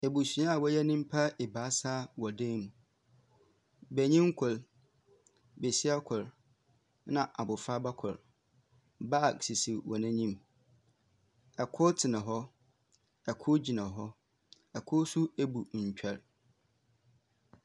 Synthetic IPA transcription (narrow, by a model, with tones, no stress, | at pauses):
e˨bu˨si˨˦ã˦a˨wɔ˦jɛ˦nĩ˦m̩˦pʰa˦e˨ba˨˦sa˦wɔ˨dẽ˦mũ˨ | bæ˨ɲĩ˦ŋ̩˦kʰʊ˨l | be˨si˦a˦kʰʊ˨ɾ | nã˨ʔa˨bʊ˨fa˦ba˦kʰʊ˨ɾ | ba˦˨ksi˨si˨wʔɔ˨nɪ̃˦ɲĩ˦m | ɛ˨kʰʊ˦tʰɪ˨nã˨ɦɔ˦ | ɛ˨kʰʊ˦d͡ʑi˨nã˨ɦɔ˦ | ɛ˨kʰʊ˦su˦e˦bu˨ɲ̩˨t͡ɕᶣʰɛ˨ɾ